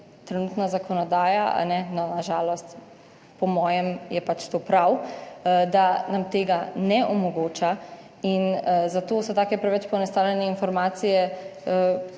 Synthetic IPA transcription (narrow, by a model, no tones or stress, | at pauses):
t̪ɾɛnuːt̪nazakɔnɔd̪aːjaa̰nɛnɔnaʒaːlɔst̪ | pɔmɔːjɛmjɛpat͡ʃt̪oːpɾaw | d̪anamt̪eːɡanɛʔɔmɔɡoːt͡ʃa | inzat̪oːsɔt̪aːkɛpɾɛʋɛt͡ʃpɔnɛst̪aːwlʲɛnɛinfɔɾmaːt̪sijɛ